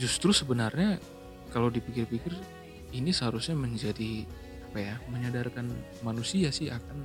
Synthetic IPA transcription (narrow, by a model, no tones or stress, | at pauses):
d͡ʒust̪ɾʊsəbənarɲa | kalawdipikɪrpikɪr | inisəɦaɾusɲaməɲd͡ʒadi | apajaməɲadarkanmanusiasɪhakan